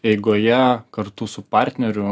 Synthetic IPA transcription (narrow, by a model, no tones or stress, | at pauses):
ɛɪɡoːjɛkɐɾt̪ʊsʊpɑˑɾʲt̪ʲnʲɛɾʲʊ